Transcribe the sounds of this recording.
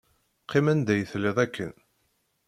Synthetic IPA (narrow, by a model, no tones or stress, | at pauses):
qʰːɪmænd̪æjəθlɪðˤækʰːə̰n